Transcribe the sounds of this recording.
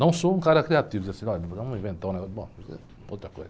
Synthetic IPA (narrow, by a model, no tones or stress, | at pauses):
nɐ̃w̃soũkaɾɐkɾiat̪ivd̪zeɐsĩɔʎɐt̪amũvẽt̪ɐ̃w̃nɛɔbõk | ot̪ɾɐko̰jzɐ